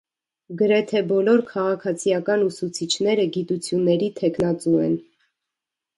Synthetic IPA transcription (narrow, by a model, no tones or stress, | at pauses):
ɡəɾɛt̪ʰɛbɔlɔɾkʰɑʁɑkʰɑt͡sʰijɑkɑnusut͡sʰit͡ʃʰnɛɾəɡit̪ut͡sʰjunːɛɾit̪ʰɛkʰnɑt͡suɛ̰n